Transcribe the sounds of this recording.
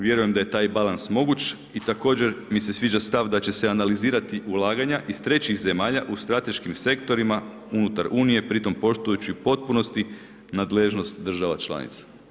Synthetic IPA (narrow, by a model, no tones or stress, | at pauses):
ʋje̞ɾuje̞md̪aje̞t̪aːjbalansmo̞ɡut͡ʃ | it̪ako̞ːd͡ʑe̞ɾmise̞sʋiːd͡ʒast̪aʋd̪at͡ɕe̞seanaliziːɾat̪iʔulˠaːɡaɲaʔist̪ɾe̞t͡ɕixze̞maːʎaʔust̪ɾat̪e̞ʃkimse̞kt̪o̞ɾima | unut̪aɾuːnije̞pɾit̪o̞mpo̞ʃt̪ujut͡ɕiupo̞t̪̚puno̞st̪i | nad̪leʒno̞st̪d̪r̩ʒaʋat͡ʃlˠa̰nḭt̪sḁ